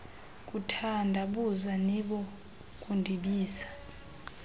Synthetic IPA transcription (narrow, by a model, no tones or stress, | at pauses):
k̬ʼutʰandʱaɓuzaniɓɔ | k̬ʼundʱiɓiːsḁ